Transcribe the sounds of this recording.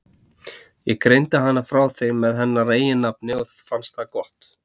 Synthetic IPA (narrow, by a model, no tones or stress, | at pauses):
jɛɣkɾejnt̪aɦanːafɾaːwθejmːɛðɦɛnːareːjɪnːap̚nɪɔθfanst̪hakɔht̪